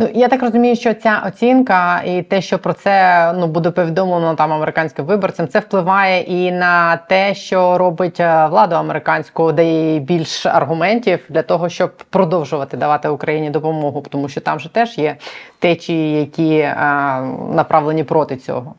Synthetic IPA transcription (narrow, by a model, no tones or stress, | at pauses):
nujat̪ɑkrɔzʊmʲijʊʃt͡ʃɔt͡sʲaʔɔt͡sʲinkɐit̪ɛʃt͡ʃɔpɾɔt̪sɛnubud̪ɛpɔʋʲid̪ɔmlˠnɔt̪ɑmɐmeɾɪkɑnʲsʲkɪmʋɪbɔrt͡sʲɐmt̪sɛwplˠɪʋɑjɛʔinɐt̪ɛʃt͡ʃɔɾɔbɪtʲʋlˠɑd̪ʊɐmeɾɪkɑnʲsʲkʊʊd̪ɐjɛjbʲilʲʃɐ̰rɦʊmɛnʲtʲiwd̪lʲɐt̪ɔɦɔʃt͡ʃɔb̚pːɾɔd̪ɔwʒʊʋɐt̪ɪd̪ɐʋɑt̪ɪʊkɾɐjinʲid̪ɔpɔmɔɦʊpt̪ɔmuʃt͡ʃɔt̪ɑmʒɛt̪ɛʒ̥jɛt̪ɛt͡ʃʲijɐkʲi | nɐpɾʔɑʋlˠenʲipɾɔt̪ɪt͡sʲɔ̰ɦɔ